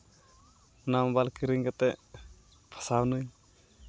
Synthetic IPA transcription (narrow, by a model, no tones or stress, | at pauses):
nambalkiɾiŋkat̪ɛ | pʰḁsawnu